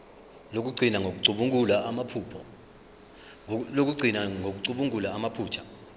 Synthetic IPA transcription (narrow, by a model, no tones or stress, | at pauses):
lok̬ʼuǀʱinaŋok̬uǀʱuɓuŋʼulaamapʰuːpʰɔ | lok̬ʼuɡ͡ǀʱinaŋok̬uǀuɓuŋʼulaːmapʰuːt͡ʃʰḁ